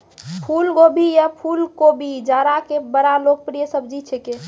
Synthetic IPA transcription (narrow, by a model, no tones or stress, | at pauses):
pʰulkobʱijapʰulkobʱid͡ʒaːɾakebəɾaloɡ̚pɾijəsəbʱd͡ʒit͡ʃʰeke